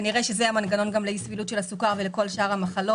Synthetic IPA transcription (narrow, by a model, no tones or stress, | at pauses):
niʁeʃezeamanɡano̞nɡamleisvilutʃelhasukaʁveleko̞lʃaʁhamaχalo